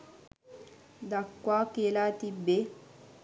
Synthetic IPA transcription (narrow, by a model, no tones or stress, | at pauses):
d̪akːwakelaːt̪ibe